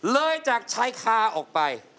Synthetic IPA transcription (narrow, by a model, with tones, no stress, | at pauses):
lɤː˧jt͡ɕaː˨˩k̚t͡ɕʰa˦˥jkʰaː˧˩ʔɔː˨˩k̚pa˧j